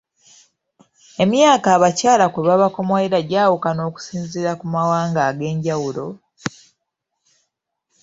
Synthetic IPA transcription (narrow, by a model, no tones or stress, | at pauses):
e̞mjaːkaːβacaːlakweβaβako̞moeɾaɟaːwukano̞ːku̥siːnziɾakumawaːŋɡaːɡe̞ːɲɟawulo̞